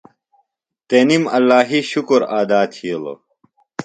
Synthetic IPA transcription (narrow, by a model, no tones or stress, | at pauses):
t̪eːnimɐlːaːɦiɕukoɾaːd̪aːt̪ʰiolo̰